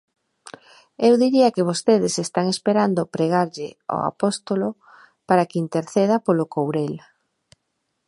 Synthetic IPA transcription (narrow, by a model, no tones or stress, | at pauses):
ewðiɾiakɪβ̞ost̪eðɪsest̪aŋespeɾand̪ʊpɾeɣ̞aɾʎɪo̰a̰post̪olʊ | paɾakint̪eɾθeðapolʊkowɾel